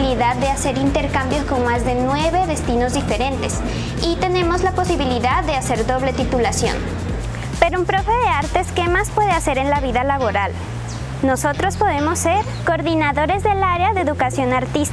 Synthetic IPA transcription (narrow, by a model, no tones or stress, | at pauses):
liðaðːe̞ase̞ɾint̪eɾkambjo̞sko̞ŋmazðe̞nwe̞βe̞ðe̞st̪ino̞zðife̞ɾe̞nt̪e̞s | it̪e̞nẽ̞mo̞zlapo̞siβiliðaðːe̞ase̞ɾðo̞βle̞t̪it̪ulasjo̞̰n | pe̞ɾumpɾo̞fe̞ðe̞aɾt̪e̞ske̞maspwe̞ð̞ease̞ɾe̞nlaβiðalaβo̞ɾal | no̞so̞t̪ɾo̞spo̞ðe̞mo̞sːe̞ɾ | koɾðinaðo̞ɾe̞zðe̞laɾeaðeðukasjo̞naɾt̪is